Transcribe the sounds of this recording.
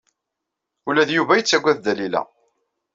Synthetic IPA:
ulæðjuvæjət͡sːæɡʷæðd̪ælilæ̰

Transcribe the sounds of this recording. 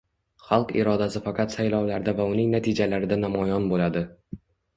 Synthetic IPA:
χɑlˠqɪ̰ɾɒd̪asɪfaqʰɑt̪sajlɒwlaɾd̪avaʊnɪŋnat̪ʰid͡ʒalaɾɪd̪anamɒjɒnbolad̪ɪ

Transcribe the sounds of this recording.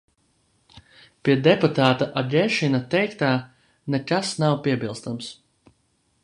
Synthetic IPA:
piɛd̪ɛput̪aːt̪aʔaɡɛʃinat̪ɛjkt̪aː | nekasnawpiɛbilˠst̪ams

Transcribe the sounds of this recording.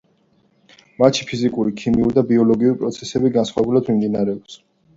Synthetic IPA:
mat͡ʃʰi̥pʰizikʼuɾikʰimiuɾd̪abiɔlɔɡiuɾipʼɾɔt̪sʰɛsɛbiɡansχwaɛbulad̪mimd̪inaɾɛɔps

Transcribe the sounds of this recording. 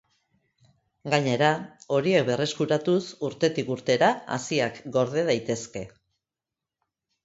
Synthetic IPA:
ɡaɲe̞ɾao̞ɾie̞kbe̞re̞skuɾat̪usuɾt̪e̞t̪ikuɾt̪e̞ɾaa̰siakɡo̞ɾð̞e̞ð̞ajt̪e̞ske̞

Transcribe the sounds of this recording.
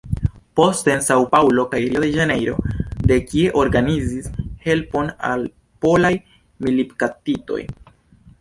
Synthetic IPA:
po̞stensawpawlo̞kajeɾiod̪eʒane̞jɾo̞̰d̪e̞kie̞ʔo̞ɾɡanizishe̞lpo̞na̰l | po̞laj | milipkatito̞̰j

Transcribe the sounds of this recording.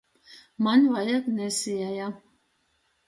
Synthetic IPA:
manvajaknɛsijaja

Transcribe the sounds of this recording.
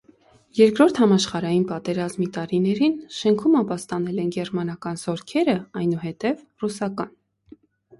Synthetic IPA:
jɛɾkɾɔɾt̪ʰhɑmɑʃχɑɾɑjinpɑt̪ɛɾɑzmit̪ɑɾinɛɾinʃɛŋkʰumɑpɑst̪ɑnɛlɛnɡɛrmɑnɑkɑnz̥ɔɾkʰɛɾəɑjnuɦɛt̪ɛv | rusɑkɑn

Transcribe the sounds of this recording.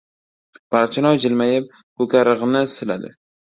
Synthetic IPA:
b̥aɾt͡ʃʰɪnɒjd͡ʒɪlmajɪp̚ | kokʲʰaɾɨʁnɪsɪlad̪ɪ̰

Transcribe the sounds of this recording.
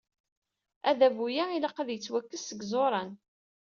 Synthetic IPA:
æðævujailɑqəðjət͡sːwækːəsːəɡzˤoɾˤɑn

